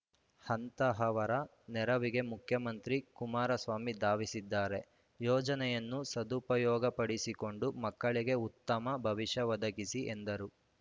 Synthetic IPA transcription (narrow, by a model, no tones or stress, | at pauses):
hɐnt̪ɐɦɐʋɐɾɐ | nɛɾɐʋiɡe̞mukʰjɐmɐnt̪ɾikumaːɾɐsʋaːmid̪aːʋisid̪ːaːɾe̞ | jɔːd͡ʒɐnɛjɐnːusɐd̪upɐjɔːɡɐpɐɽisiko̞ɳɖumɐkːɐɭiɡe̞ut̪ːɐmɐbʱɐʋiʃɐʋɐd̪ɐɡisiʔend̪ɐɾu